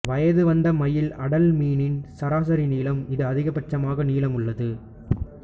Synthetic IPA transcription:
ʋɐjɐðɯʋɐnd̪ɐmɐjɪlɐɽɐlmiːnɪnsɐɾaːsɐɾiniːlɐmɪðɯɐðɪɣɐpɐʈ̚t͡ʃːɐmaːɣɐniːlɐmɯɭːɐðɯ

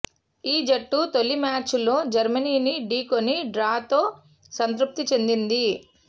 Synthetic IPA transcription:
iːd͡ʒɐʈːut̪o̞lːimaːt͡ʃlo̞ːd͡ʒɐɾmɐniːniɖiːkoniɖɾaːt̪o̞ː | sɐnt̪ɾup̚t̪it͡ʃe̞nd̪ind̪i

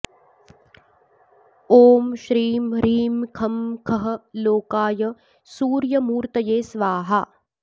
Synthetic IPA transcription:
oːmʃɾiːmɾiːmkʰɐmkʰɐɦɐ̆loːkaːjɐ | suːɾjɐmuːɾt̪ɐjeːsʋaːɦɐ

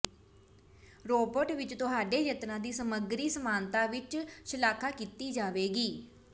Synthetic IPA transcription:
ɾoːbəʈʋɪt͡ʃt̪ʊɦaːɖeːjət̪nãːd̪iːsəməɡɾiːsəmaːnt̪aːʋɪt͡ʃʃəlaːkʰaːkiːt̪iːd͡ʒaːʋeːɡiː

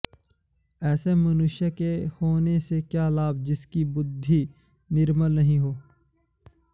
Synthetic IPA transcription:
ɛːsemənʊʃjakehoːnesekjaːlaːb̚d͡ʒɪskibʊd̪ʱːi | nɪɾməlnəɦĩɦoː

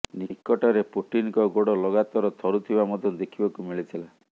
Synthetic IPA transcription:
nikɔʈɔɾepuʈinkɔɡoɽɔlɔɡat̪ɔɾɔt̪ʰɔɾut̪ʰibamɔd̪ʱjɔd̪ekʰibakumiɭit̪ʰila

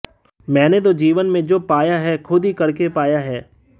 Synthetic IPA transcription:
mɛ̃ːnet̪od͡ʒiːʋənmẽd͡ʒoːpaːjaɦɛkʰʊd̪ʱikɐɾkepaːjaɦɛː

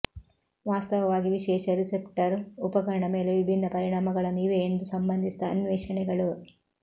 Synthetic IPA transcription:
ʋaːst̪ɐʋɐʋaːɡiʋiʃɛːʂɐɾisepʈɐɾupɐkɐɾɐɳɐme̞ːleʋibʱinːɐpɐɾiɳaːmɐɡɐɭɐniːʋeːnd̪usɐmbɐnd̪isid̪ɐːnʋɛːʂɐɳɛɡɐɭu

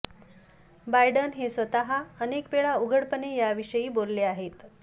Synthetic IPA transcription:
bajɽənɦesʋət̪aɦaənekpeɭauɡʱəɽpənejaʋiɕəjiːbolːeaɦet̪

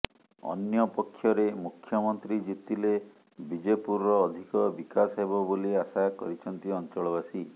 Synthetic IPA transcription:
ɔ̰njɔpɔkʰːjɔɾemukʰːjɔmɔnt̪ɾid͡ʒit̪ile | bid͡ʒepuɾɔːd̪ʱikɔbikasɦebɔboliasakɔɾit͡ʃʰɔnt̪iɔnt͡ʃɔɭɔβasi

